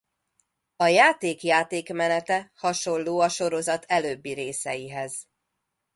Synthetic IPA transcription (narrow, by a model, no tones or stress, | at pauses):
ɒjaːt̪eːkjaːt̪eːkmɛnɛt̪ɛhɒʃo̞lloːɒʃo̞ɾo̞zɒt̪ʰɛløːbːiɾeːsɛjiɦɛz̥